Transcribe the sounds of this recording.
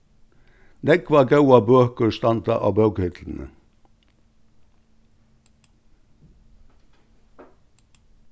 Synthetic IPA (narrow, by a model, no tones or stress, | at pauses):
nɛkʋɑːɡɑʉɑbøːkəst̪ɑnt̪ɑ̰ʔɑ̰ːbɑʉɡhʏt̪ʰln̩ə̰